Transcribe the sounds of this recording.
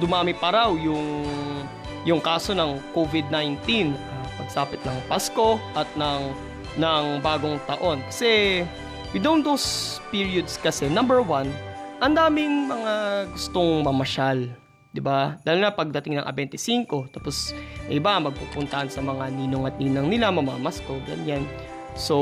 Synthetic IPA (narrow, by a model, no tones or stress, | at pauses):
d̪ʊmaːmɪpɐɾawjʊŋ | jʊŋkaːso̞nɐŋkovɪd̪̚najnt̪inɐpɐɡ̚saːpɪt̪̚nɐŋpasko̞ʔɐt̪̚nɐŋ | nɐŋbaːɡo̞ŋt̪ɐʔo̞nkɐ̥sɛ | wɪd̪ownd̪owspiɹiod̪skɐsɛnɐmbɛɹwanʔɐnd̪aːmɪŋmɐŋaɡʊst̪o̞ŋmɐmɐʃal | d̪ɪbad̪aːlnapɐɡ̚d̪ɐt̪ɪŋnɐ̰ŋʔɐ̰bɛnt̪ɪsiŋko̞t̪apo̞sʔɪbamɐɡ̚pupʊnt̪ɐʔɐnsɐmɐŋaniːnoŋɐt̪̚niːnɐŋnɪlamɐmaamɐsko̞ɡɐ̰ɲan | so̞